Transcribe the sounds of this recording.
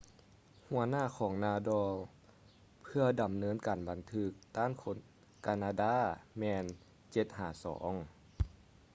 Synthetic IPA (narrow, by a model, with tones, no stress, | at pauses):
hu˩˦ɐnaː˥˩˨kʰɔː˩˦ŋnaː˧dɔː˧ | pʰɯ˧ɐda˨mnɤː˧˥˨nkaː˨˩nba˨˩nt̪ʰɯ˧˩k̚t̪aː˥˨nkʰo˧˦˥n | kaː˧naː˧daː˧˥˨mɛː˧n | t͡ɕe˧˦t̪̚haː˨˩sɔ̰ː˩˦ŋ